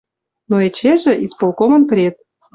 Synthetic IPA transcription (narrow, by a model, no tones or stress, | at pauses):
noet͡ɕeʒĕʔispolˠkomɤ̆npəɾʲet̪̚